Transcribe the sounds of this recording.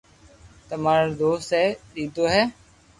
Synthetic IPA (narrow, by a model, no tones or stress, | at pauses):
t̪əmaːɾod̪oːst̪ɛːɗiːt̪oːɦɛː